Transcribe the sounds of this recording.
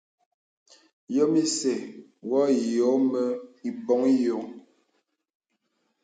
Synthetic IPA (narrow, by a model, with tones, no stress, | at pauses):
jɔ˦mi˦sɛ˨ | wɔ˦˨jo˨˦mə˦i˨bɔ˨˦ŋ˦jo˨˦ŋ